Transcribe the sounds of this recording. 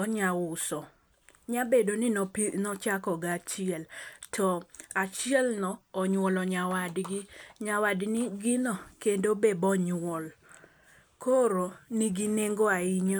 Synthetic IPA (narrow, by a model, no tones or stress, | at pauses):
ɔɲawʊsɔ | ɲabedonɪnɔt͡ʃakɔɡat͡ʃɪɛltʰɔat͡ʃɪɛlnɔɔɲwɔlɔɲawadɡɪɲawadnɪɡɪnɔkendobebɔɲwɔl | koɾoniɡineŋɡoaɪɲɔ